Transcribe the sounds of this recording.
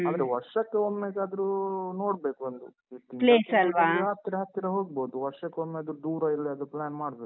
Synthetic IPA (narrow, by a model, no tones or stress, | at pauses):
aːd̪ɐɾeʋɐɾʂɐkːeomːeɡɐd̪ɐɾuno̞ːɽbe̞ːkuond̪u | it̪ːipleːsɐlʋaːɾaːt̪ɾeɦɐt̪ːiɾɐɦoːɡboːd̪uʋɐɾʂɐkːeomːeɐd̪ɾud̪uːɾɐiɾlːiɐd̪ɾuplaːnmaːɽbeːku